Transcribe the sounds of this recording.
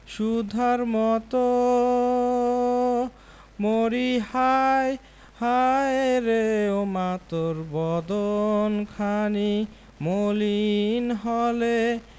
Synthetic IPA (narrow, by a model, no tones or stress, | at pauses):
ʃud̪ʱaɾmɔt̪o | moɾihaj | hajɾeomat̪oɾbɔd̪onkʰani | molinɦɔle